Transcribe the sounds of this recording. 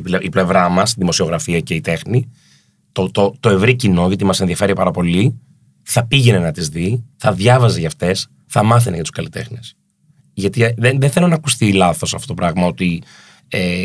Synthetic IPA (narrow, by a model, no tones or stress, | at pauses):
ipliple̞vɾɐmɐst̪iðimo̞sio̞ɣɾɐfiɐceit̪e̞xni | t̪ot̪ot̪o̞e̞vɾicino̞ʝɐt̪imɐsenðiɐfe̞ɾipɐɾɐpo̞li | θɐpiʝenenɐt̪izðiθɐðʝɐvɐzeʝɐft̪e̞s | θɐmɐθenejɐt̪u̥kɐlit̪e̞xnes | ʝɐt̪iðenðeθe̞lonɐːkust̪ilɐθo̞sɐft̪ot̪opɾɐɣmɐo̞t̪i | e